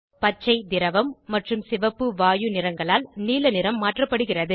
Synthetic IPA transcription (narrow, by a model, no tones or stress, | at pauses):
pɐt͡ʃːɐɪd̪ɪɾɐʋɐmːɐʈrɯmsɪʋɐpːɯʋaːjɯnɪrɐŋɡɐɭaːlniːlɐnɪɾɐmːaːʈrɐpːɐɽɯɣɪrɐðɯ